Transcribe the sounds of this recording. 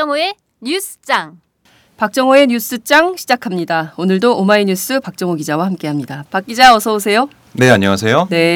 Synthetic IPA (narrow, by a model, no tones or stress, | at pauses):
ʌŋoe̞ | ɲus͈ɯ̥t͡ɕ͈aŋ | pak̚t͡ɕ͈ʌŋoe̞ɲus͈ɯt͡ɕ͈aŋɕʰid͡ʑakʰamɲidaonɯɭdoʔomaiɲus͈ʰɯpak̚t͡ɕ͈ʌŋoɡid͡ʑawahamk͈e̞ɦamɲidapak͈id͡ʑaʌsʰʌosʰe̞jo | ne̞aɲʌŋas̬ʰe̞jone̞